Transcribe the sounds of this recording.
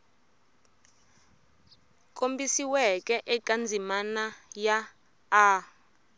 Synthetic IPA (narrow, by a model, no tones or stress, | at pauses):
kʼombisiwɛkʼɛʔɛkʼand͡zʱimanajaː